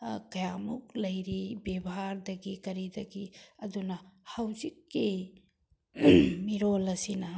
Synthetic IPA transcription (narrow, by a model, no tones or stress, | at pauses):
kɐjamuklɐjɾibebɦaɾdɐɡikɐɾidɐɡiɐdunɐhawzikːi | miɾolɐsinɐ